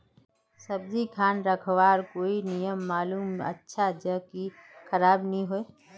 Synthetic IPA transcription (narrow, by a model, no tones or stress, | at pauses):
sɐbzikʰaːnɾəkʰʋaːɾkoːinɪjəmːaːluːmɐ̰tːʃʰad͡ʒəkixɐɾaːbnəɦĩɦoe